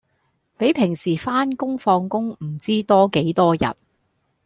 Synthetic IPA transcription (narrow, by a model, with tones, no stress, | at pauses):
pe˨˥jpʰɪ˨˩ŋsiː˨˩faː˥nkʊ˥ŋfɔː˧ŋkʊ˥ŋm̩˨˩t͡siː˥t̪ɔː˥ke˨˥jt̪ɔː˥jɐ̰˨t̚